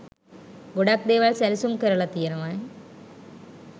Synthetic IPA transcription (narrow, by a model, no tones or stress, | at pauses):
ɡoɽaːk̚d̪eːʋaːlsɐlsumkɐɾɐɭɐt̪ːijɐnɐʋaːn